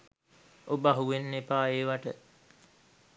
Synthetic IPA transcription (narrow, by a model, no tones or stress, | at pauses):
ʔobaɦuʋenːepaːeːʋaʈə